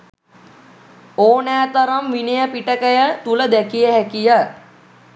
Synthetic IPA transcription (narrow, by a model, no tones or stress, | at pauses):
oːnæːt̪ɐɾɐmʋinejəpiʈəkəjət̪uləd̪ɛkijəɦækijə